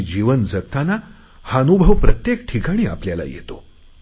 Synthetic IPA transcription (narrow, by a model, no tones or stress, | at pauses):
d͡ʑiʋənd͡zəkt̪ana | hanubʱəʋpɾət̪jekʈʰikaɽ̃iːa̰pljala̰jḛt̪o